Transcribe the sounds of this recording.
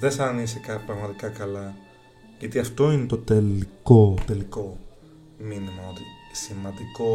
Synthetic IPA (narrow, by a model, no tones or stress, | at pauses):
ðesɐnisekɐpɾɐɣmɐt̪ikɐkɐlɐ | ʝɐt̪iɐft̪o̞inet̪o̞t̪elikot̪e̞liko̞ | minimɐot̪isimɐnd̪iko̞